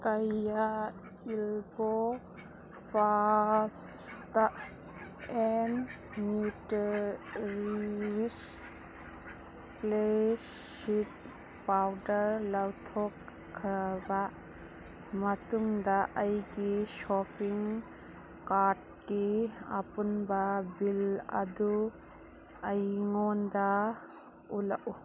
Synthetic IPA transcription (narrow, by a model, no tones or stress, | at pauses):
kɐja | ilbo | pʰasta | enː | ut | ɾiwis | ples | it | pawdɐɾlɐwtʰɔkʰː | ɾɐbɐ | mɐtuŋdɐʔɐjɡisopʰiŋ | kaɾd̚ | kiɐ̰punbɐbilɐ̰du | ɐjŋondɐ | ulɐʔu